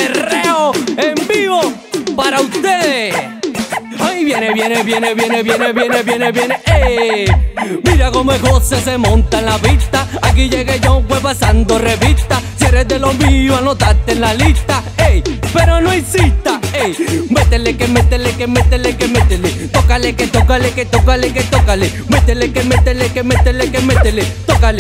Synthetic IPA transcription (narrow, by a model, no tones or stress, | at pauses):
ereoembiβo | paɾaust̪eðe | ajβjeneβjeneβjeneβjeneβjeneβjeneβjeneβjeneʔe | miɾakomoeɣoses̬e̞mõnt̪aenlapist̪aak̬iʝeɣeʝauɱfwepasand̪oreβist̪asjeɾezd̪elomioanot̪aɾt̪enlalist̪aejpe̞ɾonoinsist̪aejmet̪elekemet̪elekemet̪elekemet̪elet̪okaleket̪okaleket̪okaleket̪okale | met̪elekemet̪elekemet̪elekemet̪elet̪okale